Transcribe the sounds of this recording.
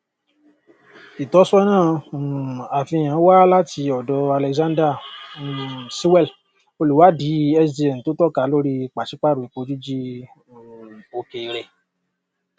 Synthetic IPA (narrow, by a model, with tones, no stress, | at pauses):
i˨tɔ˨˦sɔ˦nãː˦˨ | a˨fĩ˧j̃ã˨˦wa˦la˦ti˧ɔ˨dɔ˧a˧lɛ˧kzã˦dɾa˦˨ | si˦wɛ˦˨l | o˧lu˨wa˨˦di˨˦ɛ˧sdi˧ɛ˨n̩˨to˨˦tɔ˦˨ka˨˦lo˦ɾi˦k͡pa˨ʃi˨˦k͡pa˦ɾo˨i˨k͡po˧˦d͡ʒu˦d͡ʒi˦ | o˧ke˨ɾɛ˧˨